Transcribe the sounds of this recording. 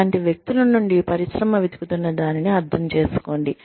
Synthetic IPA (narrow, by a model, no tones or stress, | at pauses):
aːɳʈiʋjek̚t̪ulɐnuɳɖipɐɾiʃɾɐmɐʋid̪ʱi̥kut̪unːɐd̪aːniniɐɾd̪ʰʱɐmt͡ʃe̞ːsu̥ko̞ːɳɖi